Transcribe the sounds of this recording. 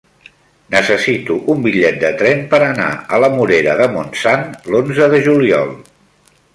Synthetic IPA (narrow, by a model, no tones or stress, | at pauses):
nəsəsit̪uʔumbiʎɛt̪̚d̪ət̪ɾɛmpəɾəna̰ələmuɾeɾəðəmunsanlonzəðəʒuliɔ̰lˠ